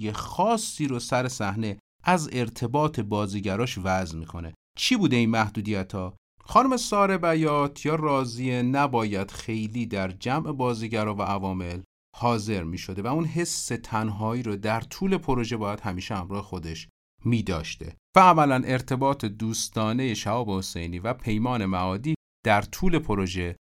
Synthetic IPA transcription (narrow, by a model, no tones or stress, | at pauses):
jexɒːsːiːɾosæɾe̞sæhne̞ | ʔæze̞ɾt̪ʰe̞bɒːt̪ʰe̞bɒːziːɟæɾɒːʃvæzmiːkʰone̞ | t͡ʃʰiːbuːd̪e̞iːnmæhd̪uːd̪ijæt̪ʰɒː | xɒːnume̞sɒːɾe̞bæjɒːt̪ʰjɒːrɒːzie̞næbɒːjæd̪̥xe̞jliːd̪æɾd͡ʒæmʔe̞bɒːziɟæɾɒːvæʔævɒːme̞l | hɒːze̞ɾmiːʃo̞d̪evæunɦe̞sːe̞t̪ʰænɦɒːiːɾod̪æɾt̪ʰuːle̞pʰo̞ɾo̞ʒe̞bɒːjæd̪̥hæmiːʃehæmɾɒːhexo̞d̪e̞ʃ | miːd̪ɒ̰ːʃt̪e̞̰vææmælænʔe̞ɾt̪ʰe̞bɒːt̪ʰe̞d̪uːst̪ɒːne̞je̞ʃæɒːbehose̞jniːvæpʰe̞jmɒːne̞mæɒːd̪iː | d̪̥æɾt̪ʰuːle̞pʰo̞ɾo̞ʒe̞